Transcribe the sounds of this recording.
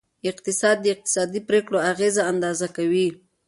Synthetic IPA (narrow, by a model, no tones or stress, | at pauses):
ɪq̚t̪ɪsɑd̪ːəɪq̚t̪ɪ̥sɑd̪ipɾekɽoaɣezaand̪ɑzakawi